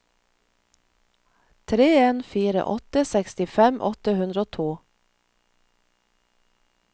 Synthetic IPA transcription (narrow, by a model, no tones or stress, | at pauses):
t̪ʰɾeːeːnfiːɾə̰ʔɔt̪əsɛkst̪ɪfɛmʔɔ̰t̪əhʉnd̪ɾəoːt̪ʰuː